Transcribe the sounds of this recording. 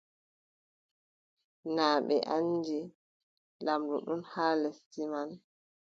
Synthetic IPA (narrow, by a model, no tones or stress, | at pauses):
naːɓɛ̰ʔand͡ʒɛ | lamduɗunhaːlɛstiman